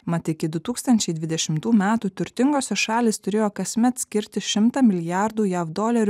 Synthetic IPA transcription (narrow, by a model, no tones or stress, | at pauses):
mɐt̪ʲɪkʲɪd̪ʊt̪uːkst̪ɐnʲt͡ʃʲɛɪd̪ʲʋʲɪd̪ʲɛʃʲɪmt̪uːmʲæːt̪uːt̪ʲʊɾʲt̪ʲɪŋɡoːsʲɛʃɑːlʲɪːst̪ʊɾʲeːjoːkɐsʲmʲɛt̪sʲkʲɪɾʲt̪ʲɪʃʲɪmt̪ɑːmʲɪlʲɪjɑɾd̪uːjæːʋd̪oːlʲɛɾʲ